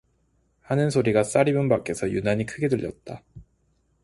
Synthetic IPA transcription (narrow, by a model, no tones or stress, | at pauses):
hanɯnsʰoɾiɡas͈aɾibɯnbak͈e̞sʰʌjunaɲikʰɯɡe̞dɯʎjʌ̰t̚t͈a